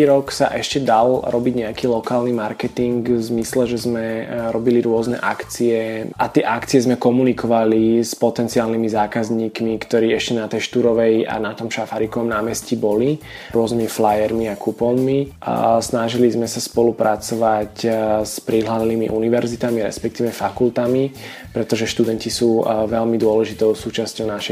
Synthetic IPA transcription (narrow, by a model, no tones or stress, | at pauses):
iɾɔksa̰ʔɛʃcɛd̪alɾɔbiɟɲɛakiːlɔkaːlnimaɾkɛt̪iŋɡzmislɛʒɛzmɛɾɔbiliɾʊɔznɛ̰ʔakt͡siɛʔat̪ɪɛʔakt͡siɛzmɛkɔmunikɔʋalispɔt̪ɛnt͡siaːlnimizaːkazɲiːkmikt̪ɔɾiːɛʃcɛnat̪ɛjʃt̪uɾɔʋɛja̰nat̪ɔmʃafaɾikɔʋɔmnaːmɛscibɔli | ɾʊɔznimiflajɛɾmiakupɔlmi | snaʒilizmɛsaspɔlupɾat͡sɔʋacspɾiɦlalniːmḭʔuniʋɛɾzit̪amiɾɛ̰spɛkt̪iːʋɛfakult̪ami | pɾɛt̪ɔʒɛʃt̪ud̪ɛncisuːʋɛlmid̪ʊɔlɛʒit̪ɔʊsuːt͡ʃascɔʊnaʃɛ